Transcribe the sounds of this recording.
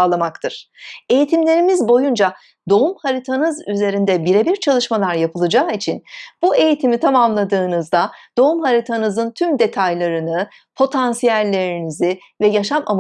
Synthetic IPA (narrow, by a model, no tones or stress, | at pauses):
lˠamakt̪ʰɯɾ̥ | e̞jit̪ʰimlʲe̞ɾimizbo̞jund͡ʒa | d̪o̞umhaɾit̪ʰanɯzyze̞ɾind̪ɛbiɾebiɾt͡ʃʰalˠɯʃmalˠaɾjapʰɯlˠɯd͡ʒaːit͡ʃʰinb̥ue̞jit̪ʰimit̪ʰamamlˠad̪ɯːnɯzd̪ad̪̥o̞umɦaɾit̪ʰanɯzɯnt̪ʰymd̪e̞t̪ʰajlˠaɾɯnɯ | pʰo̞t̪ʰansijælʲːe̞ɾinizi | vɛjaʃama̰m